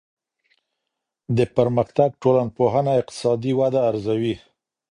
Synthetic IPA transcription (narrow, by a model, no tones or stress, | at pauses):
d̪əpəɾməxt̪aɡ̚ʈolanpoɦanaɪq̚t̪ɪ̥sɑd̪iwad̪aːɾzawi